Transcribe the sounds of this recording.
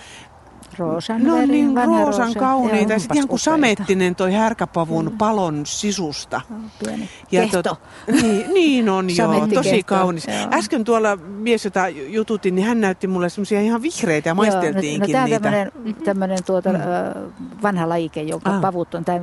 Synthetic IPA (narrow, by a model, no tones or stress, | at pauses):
roːsɑnneonninroːsɑŋkɑuniːt̪ɑjɑsitihɑŋkkusɑmet̪ːinent̪oihærkæpɑʋunpɑlonsisust̪ɑen | jɑt̪ot̪ | niːniːnonjot̪ːosikɑunisæskønt̪uolːɑmiesjot̪ɑjut̪ut̪innihænnæyt̪ːimulːesemːosiɑihɑʋʋihreit̪æjɑmɑist̪elt̪iːŋnktinæːonːt̪æmːæønent̪æmːønent̪uot̪ɑ | ʋɑnhɑlɑjikejoŋkɑːpɑʋut̪ːont̪æːn